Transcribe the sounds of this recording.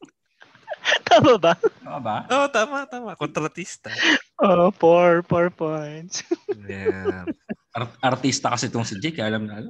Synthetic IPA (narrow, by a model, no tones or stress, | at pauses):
t̪aːmɐbɐaabaʔot̪aːmɐt̪aːmɐkont̪ɾɐt̪ist̪ɐopoɹpɔɹpɔjnt̪sj | ʔɐʔɐɾt̪ist̪ɐkɐsɛt̪oŋsɪd͡ʒɛkɐjaʔɐlɐmnɐʔɐlɐ